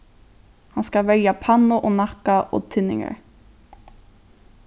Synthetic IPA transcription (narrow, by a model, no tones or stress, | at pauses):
hanskalvɛljapʰanːʊʔɔɣnahkaʔɔ̰ɣt̪ʰɪnːɪ̰ŋa̰ɾ